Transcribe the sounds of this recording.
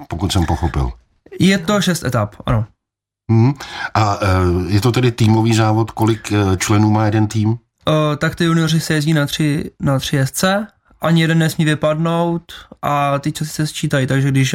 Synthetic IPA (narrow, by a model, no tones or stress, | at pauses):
pokut̪sɛmpoxopɪ̰l | jɛt̪o̞ʃɛst̪ɛ̰t̪apʔa̰no̞ | ʔajɛt̪ot̪ɛdɪt̪iːmoviːzaːvot̪kolɪkt͡ʃlɛnuːmaːjɛdɛnt̪iːm | t̪akt̪ɪjunɪor̝ɪsɛjɛzɟiːnat̪r̝̥ɪnat̪r̝̥ɪjɛst̪t͡sɛ | ʔaɲɪjɛdɛnːnɛsmiːvɪpadno̞wt̪ʔat̪ɪt͡ʃasɪ̥sɛst͡ʃiːt̪ajt̪aɡʒɛɡdɪʃ